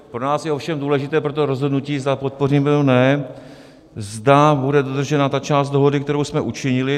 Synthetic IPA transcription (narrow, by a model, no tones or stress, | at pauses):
pɾo̞naːsjɛo̞fʃɛmduːlɛʒɪt̪ɛːpɾo̞t̪̬oɾo̞zɦo̞dnuciːzd̪apo̞t̪̚po̞riːmɛonɛ | zdabudɛdo̞d̪r̩ʒɛnat̪at͡ʃaːst̪̚do̞ɦo̞dɪkt̪ɛɾo̞wsmɛʔut͡ʃɪɲɪlɪ